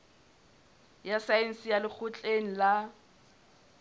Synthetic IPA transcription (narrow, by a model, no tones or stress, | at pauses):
jasaen̩sɪjalɪk͡xʰʊt͡ɬʼeŋ̩la